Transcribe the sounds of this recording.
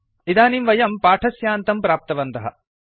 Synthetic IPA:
id̪aːnimʋɐjɐmpaːʈʰɐsjaːnt̪ɐmpɾaːp̚t̪ɐʋɐnt̪ɐɦɐ̰

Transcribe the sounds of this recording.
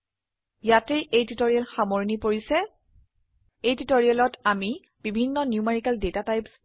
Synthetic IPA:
jatejʔejtitoɹialxamoɹinipoɹisɛ | ejtitoɹialɔtami | b̥ibʱinːɔniumeɹikaldetatajps

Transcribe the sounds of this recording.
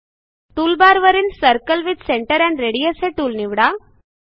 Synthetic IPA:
ʈ̪uːlbaɾʋəɾiːnsəɾkəlʋid̪seɳʈəɾæɳɾeɽijəsɦeʈuːlniʋɽa

